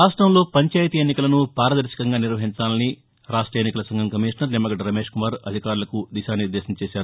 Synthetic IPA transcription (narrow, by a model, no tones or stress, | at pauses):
aːʂʈɾɐmlo̞ːpɐɲt͡ʃaːjt̪iːjenːikɐlɐnupaːɾɐd̪ɐɾʃi̥kɐŋɡaːniɾʋɐɦiɲt͡ʃaːlɐni | ɾaːʂʈɾɐjeːnːikɐlɐsɐŋɡʱɐmkɐmiːʂnɐɾnemːɐɡɐɖɾɐme̞ːʂkumaːɾɐd̪ʱikaːɾulɐkud̪iʃaːniɾd̪eːsɐmt͡ʃeːʃaːɾu